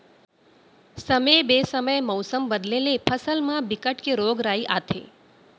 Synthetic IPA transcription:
səmebesəməjmɔwsəmbəd̪lelepʰəsəlmãbɪkəʈkeɾoːɡɾaiʔat̪ʰḛː

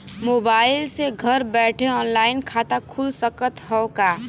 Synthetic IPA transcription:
moːbaːɪlseɡʱəɾbɛːʈʰeɔːnlaːɪnkʰaːt̪akʰulsəkət̪ɦɔkaː

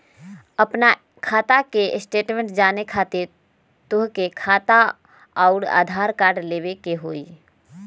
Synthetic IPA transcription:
əpna | kʰaːt̪akesʈeːʈmẽɳʈd͡ʒaːnekʰaːt̪iɾ | t̪ʊɦkekʰaːt̪a | ɔʊɾa̰ːd̪ʱaːɾkaːɾɖleːbekeɦoːi

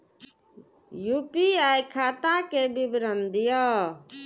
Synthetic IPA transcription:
jupiajkʰaːt̪akebibɾənd̪ijɔ

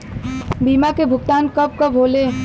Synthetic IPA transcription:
biːmakebʱʊɡt̪aːnkəp̚kabʱoːleː

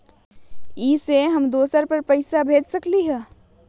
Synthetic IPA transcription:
iːseɦɐmd̪oːsəɾpɐɾpəɪsabʱeːd͡ʒsəkliɦɛː

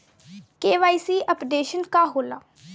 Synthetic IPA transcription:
keːʋaːiːsiːʔəpɖeːʃənkaːɦoːlaː

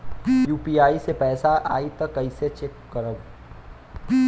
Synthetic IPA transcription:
juːpiaːisepɛːsaʔa̰ːit̪ɐkːɐiset͡ʃekːəɾəb

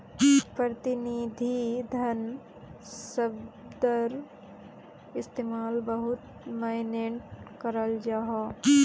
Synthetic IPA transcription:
pɾət̪ɪniːd̪ʱid̪ʱɐn | səbd̪əɾ | ɪst̪eːmaːlbəɦʊt̪ | maːɪneɳʈkəɾəld͡ʒaːɦa

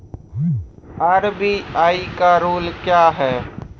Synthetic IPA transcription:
aːɾbiːaːikaɾoːlkjaːɦɛː

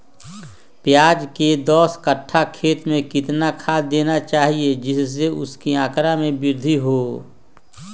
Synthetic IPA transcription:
pjaːd͡ʒked̪ɔːskəʈʰːakʰeːt̪mẽkɪt̪nakʰad̪eːnat͡ʃaːɦied͡ʒɪsːeʊskiãːkɾamẽbɪɾd̪ʱiɦoː

